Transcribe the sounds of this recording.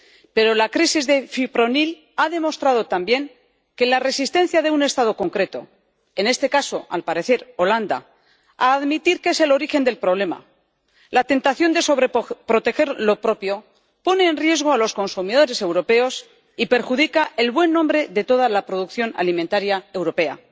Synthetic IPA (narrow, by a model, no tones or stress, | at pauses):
pe̞ɾo̞lakɾisizðe̞fipɾo̞nil | aðe̞mo̞st̪ɾað̞o̞t̪ambje̞ŋ | ke̞lare̞sist̪e̞nθjaðe̞une̞st̪að̞o̞ko̞ŋkɾe̞t̪o̞̰ | e̞ne̞st̪e̞kaso̞a̰lpaɾe̞θe̞ɾo̞land̪a̰ | aːðmit̪iɾkeese̞lo̞ɾixe̞nd̪e̞lpɾo̞β̞le̞ma̰ | lat̪e̞nt̪aθjo̞nd̪e̞so̞βɾepɾo̞t̪e̞xe̞ɾlo̞pɾo̞pjo̞ | po̞ne̞ːnrje̞zɣ̞oalo̞sko̞nsumið̞o̞ɾe̞se̞wɾo̞pe̞o̞s | ipe̞ɾxuðikaʔe̞lβwe̞nːõmbɾe̞ðe̞t̪o̞ð̞alapɾo̞ðukθjo̞na̰limẽnt̪aɾjae̞wɾo̞pe̞a